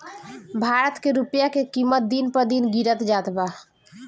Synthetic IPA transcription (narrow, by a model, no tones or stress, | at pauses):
bʱaɾət̪keɾupjakekimət̪̚d̪inpəɾd̪inɡiɾət̪d͡ʒat̪ba